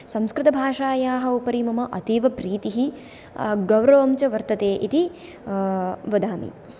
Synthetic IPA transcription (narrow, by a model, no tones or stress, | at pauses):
sɐmskɾɪt̪ɐbʱaːʂaːjaːɦɐ̆upɐɾimɐmɐʔɐt̪iːʋɐpɾiːt̪iɦi | ɡɐwɾɐʋɐmt͡ʃɐʋɐɾt̪ɐt̪eːʔit̪i | ʋɐd̪aːmḭ